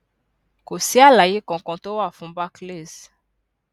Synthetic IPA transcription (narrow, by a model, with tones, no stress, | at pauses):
ko˨si˦a˦la˨je˦kɔ̃˨kɔ̃˨to˦wa˨fũ˨mba˦kle˦˨z